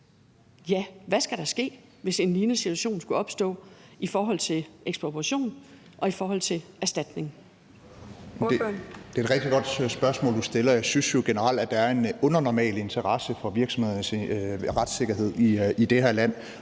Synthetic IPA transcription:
jæʋæsɡ̥æɾɑ̈sɡ̥e̝̰ːʋe̝se̝nliːnəsit͡sʰuæɕo̝̰ːnsɡ̥uɒ̽b̥sd̥ɔ̰̽ːifɒːɦɒ̽l̰t͡sʰe̝lʔeɡ̥sb̥obʰʁɑɕo̝̰ːn | ʔɒ̽ifɒːɦɒ̽l̰t͡sʰe̝læɐsd̥æd̥ne̝ŋ | d̥e̝eːd̥ʁɛɡ̥̚d̥iɡ̥ɒ̽d̥sb̥ɶɐsmɔ̽ːld̥usd̥e̝lɐjɑ̈ɪsynsjo̝ɡ̥enəʁɑl̰d̥æd̥ɑ̈æɐe̝nɔ̽nɐnɒmɛ̰ːle̝nt͡sʰɐʁɑsəfɒ̽ʋiɐɡ̥sɒ̽mhð̰ˠnsʁad̥se̝ɡ̥ɐɦe̝ð̞̰ˠiid̥ehæɐlæn̰

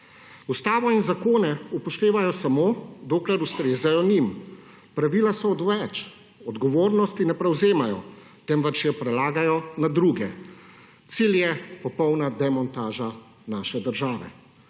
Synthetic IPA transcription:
ust̪aːʋɔinzakoːnɛupɔʃt̪eːʋajɔsamoːd̪oːklɛɾust̪ɾeːzajɔnim | pɾaʋilasɔːd̪ʋɛt͡ʃ | ɔd̪ɡɔʋoːɾnɔst̪inɛpɾɛwzeːmajɔ | t̪ɛmʋɛt͡ʃjɛpɾɛlaːɡajɔnad̪ɾuːɡɛ | t̪siljɛpɔpɔwnad̪ɛmɔnt̪aːʒa | naːʃɛd̪əɾʒaːʋɛ̰

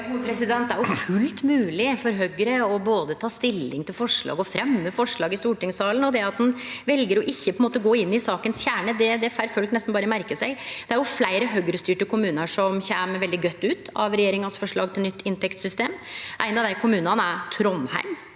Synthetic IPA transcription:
ɡuːəpʰɾɛsɪd̪ɛnt̪̚d̪æɾjʊfʉlt̪mʉːlɪfɔɾɦœɡəɾəɔboːd̪ət̪ʰɑːst̪ɪlːɪŋt̪ʰɪlfɔʂɭɑ̰ːɡɔfɾɛmːəfɔʂɭɑːɡɪst̪uːʈɪŋsɑːlən̩ɔd̪ɛɑt̪̚d̪ɛnʋɛlɡəɾɔʔɪçːəpʰɔɛnmoːt̪əɡoːɪnːɪsɑːkənsçæːɳəd̪ɛd̪ɛfæɾføːlk̪nɛst̪n̩bɑːɾəmæɾkəsæɪd̪̥ɛæɾjʊflæɪɾəɦœɡɾəst̪yːʈəkʰʊmʉːnəʂɔmçæːməɾʋɛld̪ɪɡœt̪ːʉːt̪ɑ̰ʋɾɛjeːɾɪŋənsfɔʂɭɑːɡ̚t̪ɪlnʏt̪ːɪnt̪ɛkt̪sʏst̪eːmʔæɪnɑʋd̪æɪkʰʊmʉːnɑnəæɾt̪ʰɾɔnhæ̰ɪm

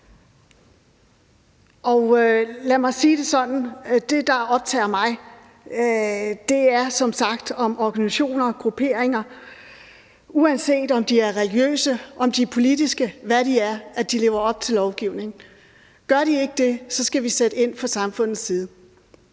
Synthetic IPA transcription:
ɒ̽ʊlæmɑ̈ɪsiːd̥e̝sɒ̽dn̩d̥e̝d̥ɑ̈ɒ̽b̥̚t͡sʰɛ̰ːɐmɑ̈ɪ | d̥e̝æɐsɒ̽msɑ̈ɡ̥d̥ɒ̽mɒɡ̥ænisæɕo̝̰ːnɐɡ̥ʁupʰe̝̰ːɐ̰eŋɐ | uænse̝̰ːd̥ɒ̽md̥iæɐʁɛliɡ̥jø̰ːsəʔɒ̽md̥ipʰo̝lid̥isɡ̥əʋæɾ̥iæɐæd̥ile̝ʊɐɒ̽b̥̚t͡sʰe̝lɒʊɡ̥iʊne̝ŋ̩ | ɡ̥ɶɐɾie̝ɡ̥əd̥e̝sɒ̽sɡ̥æʋised̥əe̝n̰fɒsɑ̈mfɔ̽n̰ð̩ˠsːiːð̞̩ˠə

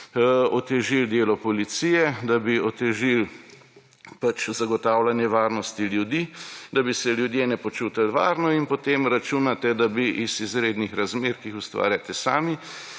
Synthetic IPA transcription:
ɔt̪ɛʒild̪eːlɔpɔlit̪siːjɛd̪abiɔt̪ɛʒil | pat͡ʃzaɡɔt̪aːwlanjɛʋaːɾnɔst̪iljud̪iːd̪abisɛljud̪jeːnɛpɔt͡ʃuːt̪alʋaːɾnɔinpɔt̪eːmɾat͡ʃuːnat̪ɛd̪abiʔizizɾeːd̪nixɾazmeːɾkixust̪ʋa̰ːɾjat̪ɛsa̰ːmi

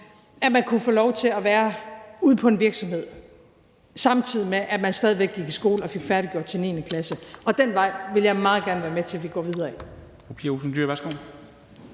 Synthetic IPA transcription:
æmænkʰufɔːlɒʊt͡sʰe̝læʋæːɐuð̞̰ˠpʰɒ̽e̝nʋiɐɡ̥sɒ̽mhe̝ð̰ˠ | sɑ̈mt͡sʰiðˠimeʔæmænsd̥ɛːðˠiʋeɡ̥ːiɡ̥ʰisɡ̥o̝ːləɒ̽fe̝ɡ̥fæɐɾ̥iɡ̥jo̝ɐ̰d̥t͡sʰe̝ne̝ːnəkʰlæsəʔɒ̽d̥enʋɑ̈ɪ̰ʋe̝ljɑ̈ɪmɑ̈ːð̩ˠɡ̥æɐnəʋæɐmet͡sʰe̝lʋiɡ̥ɒ̰ːʋið̞ˠɐi | opʰiɐosn̩d̥yɐ̰ʋæsɡ̥o̝̰ːl

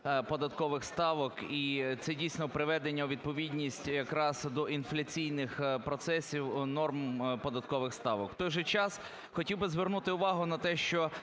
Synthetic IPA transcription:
pɔd̪ɐt̪kɔʋɪxst̪ɑʋɔkit̪sɛdʲijsʲnɔpɾɪʋɛd̪enʲːɐʋʲid̪̚pɔʋʲidʲnʲisʲtʲjɐkɾɑzd̪ɔʔinflʲɐt͡sʲijnɪxpɾɔt̪sɛsʲiwnɔrmpɔd̪ɐt̪kɔʋɪxst̪ɑʋɔkt̪ɔjʒɛt͡ʃɑs | xɔtʲiwbɪzʋernut̪ɪʊʋɑɦʊnɐt̪ɛʃt͡ʃɔ

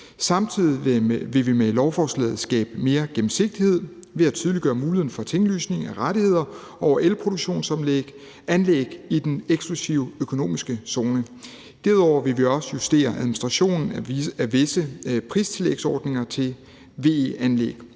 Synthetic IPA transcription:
sɑ̈mt͡sʰið̰ˠiʋe̝ʋimelɒʊfɒslɛ̰ːð̩ˠsɡ̥ɛ̰ːb̥əme̝ːɐɡ̥em̩se̝ɡ̥̚d̥ihe̝ð̰ˠ | ʋe̝æt͡sʰyð̞ˠliɡ̥ɶːɐmuːlien̩fɒ̽t͡sʰeŋly̰ːsne̝ŋæʁaɾihe̝ð̰ˠɐ | ɒʊɐʔelpʰʁo̝ɾoɡ̥ɕo̝̰ːnsɒ̽mleɡ̥ | ænleːɡ̥id̥eneɡ̥sɡ̥lusiʊøkʰo̝no̝̰ːmisɡ̥əso̝ːnə | d̥æɐðˠɒʊɐʋe̝ʋiɒ̽sə̥jusd̥e̝̰ːɐʔæðˠminisd̥ʁɑ̈ɕo̝̰ːnn̩æʋe̝səpʰʁist͡sʰe̝lḛɡ̥sɒːd̥ne̝ŋɐt͡sʰe̝l | ʋe̝̰eænlḛːɡ̥

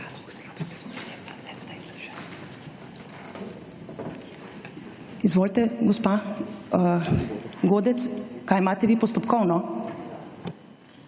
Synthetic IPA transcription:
izʋoːlt̪ɛɡɔspa | ɡoːd̪ɛt̪skaːjmaːt̪ɛʋiːpɔst̪ɔpkɔwnɔ

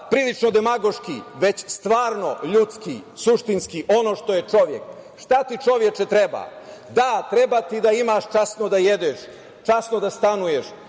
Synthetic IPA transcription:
pɾiːlit͡ʃno̞d̪emaɡo̞ʃkiʋe̞t͡ɕst̪ʋaːɾno̞ʎut̪skisuʃt̪inskiʔo̞no̞ːʃt̪o̞jet͡ʃo̞ʋjḛk | ʃt̪at̪it͡ʃo̞ʋje̞t͡ʃɛt̪ɾeba̰d̪at̪ɾebat̪id̪aimaʃt͡ʃasnod̪ajed̪oʃ | t͡ʃasnod̪ast̪anujeʃ

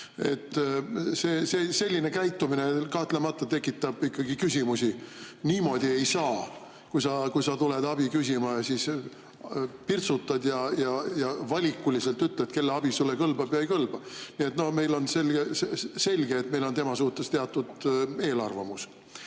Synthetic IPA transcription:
e̞t̪ːseːsese̞lʲːine̞kæjt̪ˑːumine̞kɑht̪lemɑt̪ːˑɑt̪ekːˑit̪ˑːɑb̥ikːɑɡikysʲimusʲiniːmo̞d̪̥ʲie̞jsɑː | kujsɑkujsɑt̪uled̪̥ɑb̥ikys̬ʲimɑɑsis | pirt̪sut̪ːˑɑd̪̥jɑjɑjɑvɑlʲikːˑulise̞lt̪ːyt̪ːˑlet̪ke̞lːeɑb̥isulːekɤlbɑb̥jɑjkɤlb̥ɑniet̪no̞hme̞jlo̞nselɡese̞lʲɡ̥eːt̪me̞jlo̞nt̪e̞mɑsuːt̪ːˑest̪eɑt̪ːˑud̪e̞ːlɑ̰rvɑmus

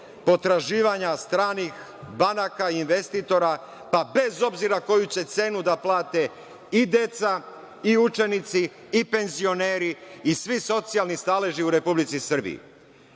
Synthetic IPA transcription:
po̞t̪ɾaʒiːʋaɲast̪ɾaːnix | banakainʋest̪it̪o̞ɾa | pabe̞zo̞bziɾako̞jut͡ɕe̞t̪se̞ːnud̪aplaːt̪e̞ | id̪e̞t̪sa | iut͡ʃe̞nit̪siː | pe̞nzio̞neːɾiːsʋiso̞t̪sijalnist̪aleʒiuɾe̞publit̪sisr̩bḭḭ

